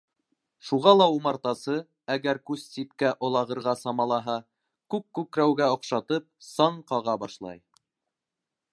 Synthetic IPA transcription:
ʃuʁɑlˠɑumɑɾt̪ɑsɤ | æɡæɾkʉssipkæʔŏlˠɑʁɤ̆ɾʁɑsɑmɑlˠɑɦɑ | kʉkːʉkɾæwɡæŏqʃɑt̪ɤp̚sɑɴqɑʁɑbɑʃlˠɑ̰j

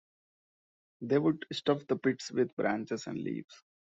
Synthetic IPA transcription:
d̪eːʋʊɖsʈʌfd̪əpɪʈsʋɪd̪bɾʔæ̃ːnt͡ʃezæ̰̃ɳɖlḭːʋs

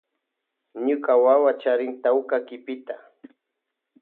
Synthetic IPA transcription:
ɲʊkawawat͡ʃaɾɪŋt̪awkakɪpɪt̪a

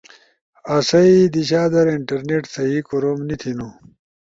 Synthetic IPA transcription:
ɐsɐid̪iɕaːd̪ɐɾiɳʈɐɾneʈsɐɦikoɾomnit̪ʰinu

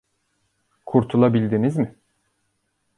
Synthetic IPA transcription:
kʰuɾt̪ʰulˠabilʲd̪inizmɪ

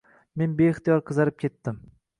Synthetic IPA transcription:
me̞nbeɪχt̪ijɒɾqʰɨzaɾɪp̚kʲʰe̞t̪ːɪm

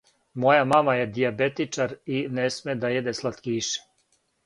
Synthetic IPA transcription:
mo̞jamamajed̪iabet̪it͡ʂaɾinesmed̪ajed̪eslˠat̪kiːʃe̥

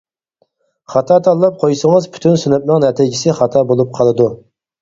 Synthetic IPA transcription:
χɑt̪ʰɑːt̪ʰɑlˠːɑp̚qʰojsəŋəzpʰy̥t̪ʰynsynɛp̚nɨŋnɛt̪ʰid͡ʒɪsɪχɑt̪ʰɑːbolˠup̚qʰɑlˠɨd̪u

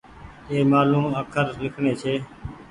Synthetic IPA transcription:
eːmaːlũːməkʰəɾlɪkʰɳeːt͡ʃʰeː

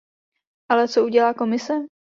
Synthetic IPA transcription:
ʔalɛt͡souɟɛlaːko̞mɪsɛ

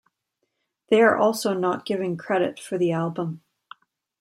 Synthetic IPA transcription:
ðeɪə˞ʔɔlˠsoʊnəʔ̚ɡ̥ɪvɪ̃ŋkʰɹ̥ɛɾɪ̰tfə˞ðialˠbə̃m

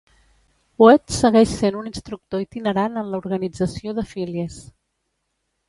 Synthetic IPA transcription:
puɛt̪səɣɛʃsenuninst̪ɾuk̚t̪oit̪inəɾanənləuɾɣənid͡zəsioðəfiliəs

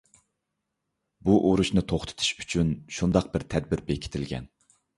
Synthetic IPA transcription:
buʔoɾuʃnɨt̪ʰoχt̪ʰɨ̥t̪ʰu̥ʃy̥t͡ʃʰynʃund̪ɑq̚bɪɾt̪ʰɛd̪̚bɪɾbekʲʰi̥t̪ʰɪlɡʲɛ̰n

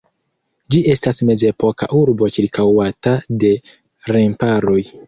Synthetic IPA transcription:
d͡ʒiʔe̞stasme̞ze̞po̞ka̰ʔuɾbo̞t͡ʃiɾkawatade̞ | ɾempaɾo̞j

